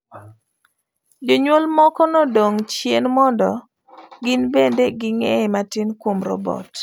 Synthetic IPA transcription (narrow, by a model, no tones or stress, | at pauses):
d͡ʒoɲwolmɔkɔnɔdoŋt͡ʃjenmɔndɔ | ɡɪnbendeɡɪŋematɪnkwomɾɔ̰bɔ̰t